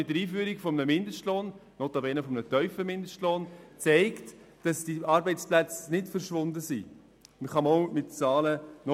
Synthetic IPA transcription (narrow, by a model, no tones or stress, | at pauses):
ɪtdəɾiːfyːɾikfɔmənəmɪndəʃtloːnnoːt̪ɑbɛnəfɔmənətœʏfəmɪndəʃtloːnt͡sɛɪkt | d̥ɑsd̥iʔɑɾbɛɪt͡splæt͡snɪtfəɾʃʋʊndəsi | məχɑmɔʊmɪtt͡sɑːlənɔ